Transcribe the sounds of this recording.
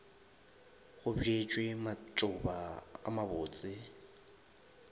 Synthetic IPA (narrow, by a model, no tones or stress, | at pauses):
ɣʊbiet͡ʃʼwematʼʊbaa̰mabʊːt͡sʼɪ